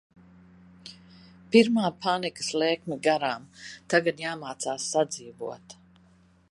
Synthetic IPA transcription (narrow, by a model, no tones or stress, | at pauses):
piɾmaːpʰanikə̥slɛːkmiɡaɾaːmt̪aɡad̪jaːmaːt̪saːsːad̪ziːvuɔt̪